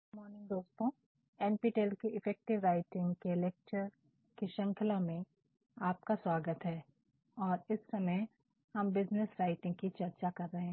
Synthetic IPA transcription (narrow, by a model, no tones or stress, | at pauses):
mɔːɾnɪ̃ŋɡd̪oːst̪õː | ɛːnpiːʈelkeɪfʰɛːk̚ʈɪʋɾaːɪʈɪ̃ŋɡkeleːk̚t͡ʃəɾ | kiʃɐ̃ŋkʰɪlamẽ | aːp̚kaswaːɡət̪ɦɛː | ɔːɾɪsːɐməj | hɐmbɪznɪsɾaːɪʈɪ̃ŋɡkit͡ʃɐɾt͡ʃakɐɾːɐɦẽ